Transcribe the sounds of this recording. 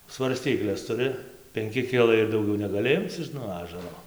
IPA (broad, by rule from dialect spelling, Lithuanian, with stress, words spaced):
sʋɐrʲˈsʲtʲiːklʲɛs tʊˈrʲɪ pʲɛŋʲˈkʲɪ ˈkʲɪlˠɐɪ ɪr dɐʊˈɡʲɛʊ nʲɛɡɐˈlʲɪ ˈɪmt͡s ɪʃ nuɔ ˈɑːʒɐroː